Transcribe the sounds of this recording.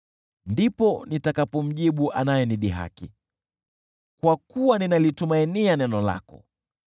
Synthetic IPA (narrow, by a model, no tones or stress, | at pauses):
ndipɔnitakapɔm̩ʄiɓuʔanajɛniɗiɦa̰ki | kwakuwaninalitumainianɛnɔla̰kɔ̰